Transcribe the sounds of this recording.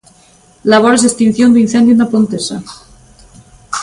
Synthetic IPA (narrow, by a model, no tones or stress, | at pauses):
laβ̞oɾesest̪in̟θjond̪uin̟θend̪junapont̪esa̰